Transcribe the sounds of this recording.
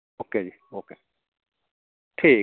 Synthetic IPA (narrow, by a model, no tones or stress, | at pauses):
okʰej | okʰe | tʰe